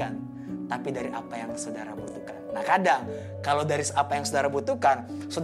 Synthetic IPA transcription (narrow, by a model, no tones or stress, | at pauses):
an | t̪apidaɾiʔa̰pajaŋsodaɾabut̪ukanːakadaŋ | kalawdaɾisapajaŋsodaɾabut̪ukansod